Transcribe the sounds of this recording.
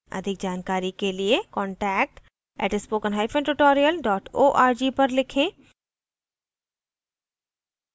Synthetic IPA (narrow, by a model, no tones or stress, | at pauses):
ɐ̰d̪ʱɪk̚d͡ʒaːnkaːɾikeliekɔ̃ːɳʈɛːk̚ʈ | ɛ̰ːʈɪspoːkənɦaːifẽɳʈʊʈɔːɾijəlɖɔːʈoːʔaːɾd͡ʒipɐɾlɪkʰẽː